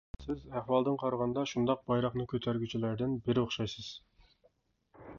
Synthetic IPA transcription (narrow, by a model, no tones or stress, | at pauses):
sɪzæhwɑlˠd̪ɨnqʰɑɾʁɑnd̪ɑʃund̪ɑq̚bɑjɾɑχnɨkʲʰøt̪ʰæɾɡʲyt͡ʃʰilæɾd̪ɪnbɪɾɪoχʃɑjsɨz̥